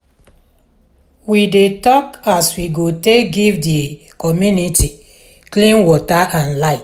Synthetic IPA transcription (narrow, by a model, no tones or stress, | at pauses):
widetɔkaswiɡotekɡivdi | kɔmjunitʰi | klĩnwɔtaʔãnlaɪt